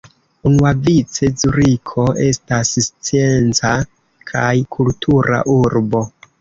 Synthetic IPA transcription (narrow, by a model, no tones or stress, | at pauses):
unuavit͡se̞zuɾikʰo̞e̞stasst͡sie̞nt͡sa | kʰajkʰultʰuɾa̰ʔuɾbo̞